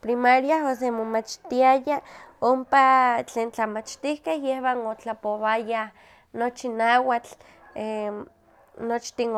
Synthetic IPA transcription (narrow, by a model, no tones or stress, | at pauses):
pɾimaɾjaɦos̬emomat͡ʃt̪iajaompat͡ɬeːnt͡ɬamat͡ʃt̪ihkehjehwanot͡ɬapoβajah | not͡ʃinaːwat͡ɬ | e | not͡ʃt̪in